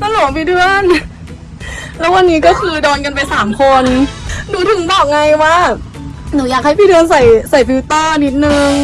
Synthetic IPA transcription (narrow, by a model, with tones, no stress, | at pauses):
sa˧lɔː˨˩˦ŋpʰiː˧dɯ˧ən | lɛ˦˥wa˧nːiː˦˥kɔː˥˩kʰɯː˧dɔː˧nka˧np̬a˧jsaː˩˦mkʰo˧nduː˨˦t̪ʰɯ˨˩˦ŋbɔː˨˩p̚ŋa˧jwaː˥˩ | nuː˩˦jaː˨˩k̚ha˥˩pi˧dɯ˧ənsa˨˩jsa˨˩jpʰiː˧˦˥t̪ɤː˥˩ni˦˥t̪̚nɯ˧ŋ